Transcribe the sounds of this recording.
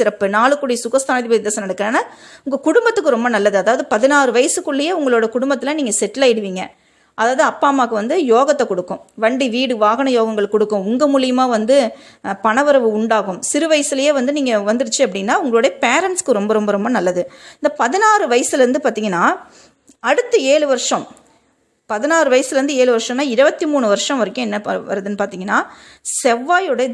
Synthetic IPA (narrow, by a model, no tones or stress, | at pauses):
sɪɾɐpːɯnaːɭɯkːɯɽɐjɐsʊɣɐst̪aːnɐðɪpɐɪðɐsɐnɐɽɐkːɯɾɐnaːʊŋɡɐkʊɽʊmbɐt̪ːɯkːɯɾɔmbɐnɐlːɐðɯɐðaːʋɐðɯpɐðɪnaːɾɯʋɐjɐsɯkːɯɭːɐjeːʊŋɡɐɭoːɽɐkʊɽʊmbɐt̪ːɪlɐ̃niːŋɡɐsɛʈːɪlɐːɪɽɯʋiːŋɡɐ̰ | ʔɐðaːʋɐðɯɐpːaːmaːkɯʋɐnd̪ɯjoːɣɐt̪ːɐkɔɽɯkːʊ̃ | ʋɐɳɖiʋiːɽɯʋaːɣɐnɐjoːɣɐŋɡɐɭkːɔɽɯkːʊ̃ʊŋɡɐmuːlɪjɐmaːʋɐnd̪ɯ | pɐɳɐʋɯɾɐʋɯʊɳɖaːɣɯmsɪɾɯʋɐjɐsɪlɐjeːʋɐnd̪ɯniːŋɡɐʋɐnd̪ɪɾɯt͡ʃːɯɐpːɐɽɪŋnːaːʊŋɡɐɭoːɽɐjɐpeːɾɐɳʈskɯɾɔmbɐɾɔmbɐɾɔmbɐnɐlːɐðɯɪnd̪ɐpɐðɪnaːɾɯʋɐjɐsɪlɐɾɯnd̪ɯpaːɾt̪iːŋɡɐnːaː | ɐɽɯt̪ːɯeːɭɯʋɐɾʂɐ̃m | pɐðɪnaːɾɯʋɐjɐsɪlɾɯnd̪ɯeːɭɯʋɐɾʂɐ̃mnːaːɪɾɯbɐt̪ːimuːɳɯʋɐɾʂɐ̃mʋɐɾɪkʲːʊ̃ɛnːɐɐʋɐ̰ɾɐðɯnːɯpaːɾt̪iːŋɡɐnːaː | sɛʋːaːjɯɽɐɐ